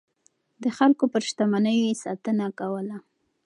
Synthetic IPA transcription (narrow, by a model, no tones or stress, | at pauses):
d̪əxalkopəɾʃt̪amanəjojesɑ̰t̪ənakawəla